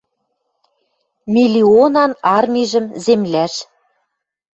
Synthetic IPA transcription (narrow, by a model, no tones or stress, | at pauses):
mʲilʲionɑnɑrmʲiʒə̆mzemlæʃ